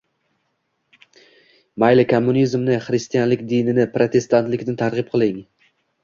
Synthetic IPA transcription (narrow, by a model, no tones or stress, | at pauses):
majlɪkʰomːunʲizmnɪχɾɪst̪ijanlɪkʲd̪ijnɪnɪpɾot̪ʰe̞st̪ʰant̪lɪkʲɪd̪ɪnt̪ʰaɾʁɨp̚qʰɨlˠɪŋ